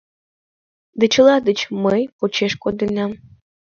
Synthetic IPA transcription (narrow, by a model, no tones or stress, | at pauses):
d̪ɨt͡ɕə̆lˠɑd̪ət͡ɕməjpot͡ɕeʃkod̪ɨnɑm